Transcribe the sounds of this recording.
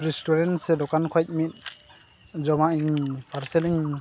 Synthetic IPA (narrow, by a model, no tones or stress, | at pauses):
ɾistuɾensed̪ɔkankʰɔjt̚mit̪̚ | zɔmaiŋpʰaɾseliŋ